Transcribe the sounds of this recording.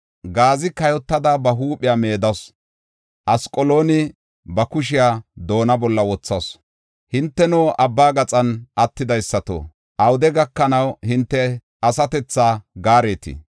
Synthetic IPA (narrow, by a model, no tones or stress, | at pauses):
ɡaːzɪkɐjɔt̪ːɐd̪abɐɦuːpʼɪjaːme̞ːd̪ɐs | ʔɐskʼɔloːnɪ | bɐkʊʃ̬ɪjaːd̪o̞ːnɐbɔlːɐwɔt͡sːɐs | hɪnt̪ːɛnoːʔɐbːaːɡɐt͡sʼɐnɐt̪ːɪd̪ɐjsːɐt̪o̰ | ʔɐwʊd̪ɛɡɐkːɐnɐwhɪnt̪ːɛ | ɐsɐt̪ɛt͡sːaːɡaːɾe̞ːt̪ɪ̰